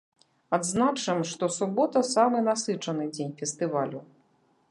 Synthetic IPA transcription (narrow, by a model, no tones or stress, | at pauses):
ad̪znat͡ʂɨmʂt̪ɔsubɔt̪ɐsamɨnasɨt͡ʂɐnɨd͡zʲenʲfʲɛst̪ɨvalʲu